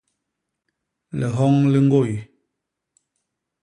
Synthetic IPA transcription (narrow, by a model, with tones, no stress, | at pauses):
lɛ˨ɦɔ˦ŋli˦ŋ̩˦ɡo˦˨ji˨